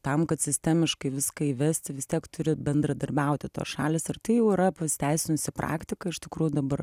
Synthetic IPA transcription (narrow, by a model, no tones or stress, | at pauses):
t̪ɐmkɐt̪sʲɪsʲt̪ʲæmʲɪʃkɐɪʋʲɪskɐiʋʲæsʲt̪ʲɪʋʲɪst̪ʲiɛkt̪ʊɾʲɪbʲɛnd̪ɾɐd̪ɐɾʲbʲɛʊt̪ʲɪt̪o̰ːsʃɑːlʲɪːsɪrt̪ɐɪjɛʊɪɾɐpɐst̪ʲæɪsʲɪnʲʊsʲɪprʔɑ̰ːkt̪ʲɪkɐɪʃt̪ʲɪkɾuːjʊd̪ɐbɐr